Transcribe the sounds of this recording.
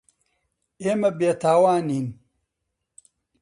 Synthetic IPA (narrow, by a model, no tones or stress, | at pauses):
emɐbeːt̪ʰaːwaːnin